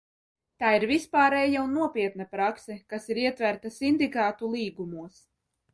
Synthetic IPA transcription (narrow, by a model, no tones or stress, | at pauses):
t̪aːiɾvispaːɾɛːjaunːuɔpʲiɛt̪napɾaksɛkasiɾiɛt̪væɾt̪asind̪ikaːt̪ulˠiːɡumuɔs